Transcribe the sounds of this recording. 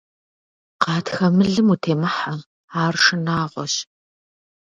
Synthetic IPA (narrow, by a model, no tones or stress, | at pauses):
qɑːtxɐmɨɮɨmutʰeːmɐħa | aːrʂɨnaːʁʷɔ̰ɕ